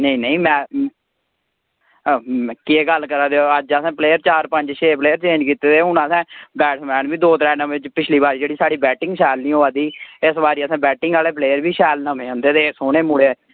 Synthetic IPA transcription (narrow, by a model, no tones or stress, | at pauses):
nəĩːnəĩːmɛ̃ː | kieːɡəlkəɾaːd̪eoəd͡ʒəsɛ̃ːpleːəɾt͡ʃaːɾpəɲd͡ʒʃʰeːpleːəɾt͡ʃẽːɲd͡ʒkiːt̪eːd̪eːɦʊnaːsɛ̃ːbɛːʈsmɛ̃ːnbiːd̪oːt̪ɾɛːnãʋɪt͡ʃpɪt͡ʃʰliːbaːɾiːd͡ʒeːɽiːsaːɽiːbɛːʈɪ̃ŋɡʃɛːlnĩːoːaːd̪iːɪsbaːɾiːəsãːbɛːʈɪ̃ŋɡaːleːpleːjəɾbiːʃɛːlnəmẽːõːnd̪eːt̪eːsoːɽ̃eːmuɽeː